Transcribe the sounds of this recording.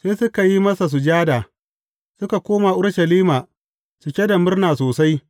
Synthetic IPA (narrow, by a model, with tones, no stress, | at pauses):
seː˦sʊ˦ka˨ji˦mɐ˦sa˨s̬u˨d͡ʒaː˦daː˨ | sʊ˦ka˨kʷoː˦ma˨ʔʊ˦ɽʃɐ˨liː˦maː˨ | sʊ˨kʲɛ˦da˨mʊ˦rnaː˨soː˨sa˦j